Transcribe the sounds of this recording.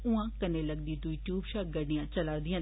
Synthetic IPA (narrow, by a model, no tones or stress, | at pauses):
ʊãːkəneːləɡ̚d̪iːd̪uiʈjuːbʃaːk̚ɡəɾnijãːt͡ʃəlaːd̪ɪjãː